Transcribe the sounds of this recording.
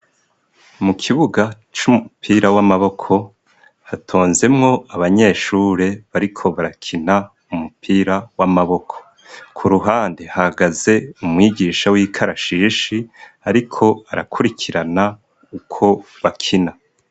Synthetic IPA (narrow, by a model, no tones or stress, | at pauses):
mukʰiβuɡa | t͡ʃumupʰiːɾawamaβo̞kʰo̞ | hatʰo̞ːnze̞mŋo̞ʔaβaɲe̞ːʃuːɾe̞βaɾikʰo̞βaɾakʰina | umupʰiːɾawamaβo̞kʰo̥ | kʰuɾuɦaːndehahaɡaze̞umŋiːɡiːʃawiːkʰaɾaʃiʃiaɾikʰo̞aɾakʰuɾikʰiɾana | ukʰo̞βakʰina